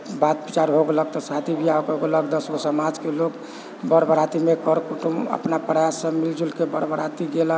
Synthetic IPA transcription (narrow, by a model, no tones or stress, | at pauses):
bat̪bit͡ʃaɾɦoɡelək̚t̪ɔsat̪ʰibʱiaokoɡeləɡd̪əsosəmad͡ʒkelok | bəɾbʱəɾat̪imekəɾkuʈumə̰pnapɾəjasːə̃mild͡ʒulkebəɾbʱəɾat̪iɡelə